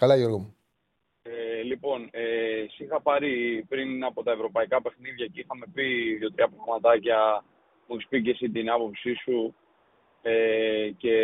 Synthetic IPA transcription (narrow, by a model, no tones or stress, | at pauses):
kɐlɐʝoɾɣomu | elipo̞nesixɐpɐɾipɾinɐpo̞t̪ɐevɾo̞pɐikɐpe̞xniðʝɐceixɐme̞piðʝo̞t̪ɾiɐpɾɐɣmɐt̪ɐcɐ | muspicesit̪inɐpo̞psisu | ece̞